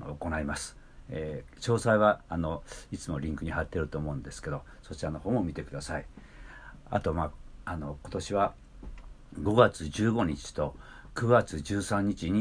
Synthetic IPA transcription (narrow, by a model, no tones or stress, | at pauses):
oko̞naimasɨ̥ | e | ɕo̞ːsaiβaano̞it͡sɨmo̞ɾʲĩŋkɯ̟ɲ̟ihat̪ːe̞ɾɯ̟t̪o̞ːmo̞ɯ̃nd̪e̞sɨ̥ke̞d̪o̞ | so̞t͡ɕitanohõ̞m̃ːomʲit̪e̞kɯ̟d̪asai | a̰t̪o̞maːano̞ko̞t̪o̞ɕiβa | ɡo̞ɡat͡sɨd͡ʑɨːɡo̞ɲ̟it͡ɕi̥t̪o̞ | kɯ̟ɡat͡sɨʑɨːsãɲ̟ːit͡ɕiɲ̟i